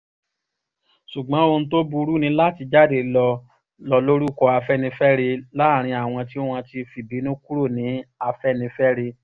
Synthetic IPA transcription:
ʃu˨ɡ͡bã˨˦o˧ñ̩˧˦to˦bu˧ɾu˦nĩ˧la˦˨ti˧d͡ʒa˦˨de˨lɔ˧ | lɔ˧lo˦ɾu˦˨kɔ˧a˧fɛ˦˨nĩ˧fɛ˦ɾe˧la˦˨ɾ̃ĩ˧a˨w̃ɔ̃˧ti˦o˦w̃ɔ̃˧ti˧fi˨bi˨˦nũ˦ku˦ɾo˦˨nĩ˨˦a˧fɛ˦˨nĩ˧fɛ˦ɾe˧

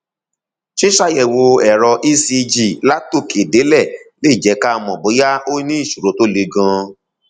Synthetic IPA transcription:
ʃi˦ʃa˦jɛ˨wo˧ɛ˨ɾɔ˧ʔi˦si˧d͡ʒi˨la˦to˦˨ke˨de˨˦lɛ˦˨le˦˨d͡ʒɛ˨˧˦ka˦˧mɔ̃˨bo˨˦ja˦o˦nĩ˦i˦˨ʃu˨ɾo˨˦to˦le˧ɡã˧

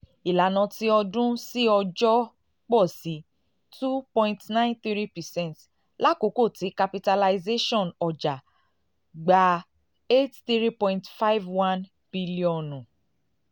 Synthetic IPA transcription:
i˨la˨nã˧ti˦ɔ˧dũ˦si˦ɔ˧d͡ʒɔ˦ | k͡pɔ˦˨si˨˦ | tu˦pɔ̃˧ĩ˧ntnã˦ĩ˦nθi˦ɾi˦pɛ˨sɛ̃˦˨nt | la˦ko˨˦ko˦˨ti˨˦ka˧pi˧ta˧la˧ize˦ʃɔ̃˦˨nɔ˨d͡ʒa˨ | ɡ͡ba˨ | e˦tθi˦ɾi˦pɔ̃˧ĩ˧ntfa˦jvwã˦n | b̥i˦li˦ɔ̃˨nũ˨

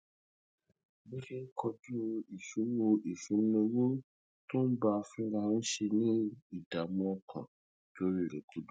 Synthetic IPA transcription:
bi˦ki˦kʰɔ˧d͡ʒu˦o˧i˨fĩ˨˦ñ˦o˧ʔi˨fĩ˨˦ñ̩˦o˧wo˦ | tõ˦n̩˦ba˧fĩ˦ɾa˧ñ̩˦ʃe˧nĩ˦i˦˨da˨mũ˦ɔ˧kʰã̰˨ | d͡ʒo˦ɾi˦˨ɾe˨kʰu˨˦du˦

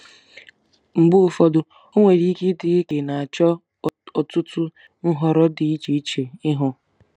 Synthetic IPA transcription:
ŋ͡m̩˨ɡ͡bʊ˦ʊ˨fɔ˦dʊ˨ | o˦ŋʷe˨ɾi˦ki˦dɪ˨i˦ke˨na˨a˨t͡ʃɔ˦ | ɔ˨tʊ˦tʊ˦ | n̩˦ɦɔ˨ɾɔ˦dɪ˨i˦t͡ʃe˨i˦t͡ʃe˨ɪ˦ɦʊ˨

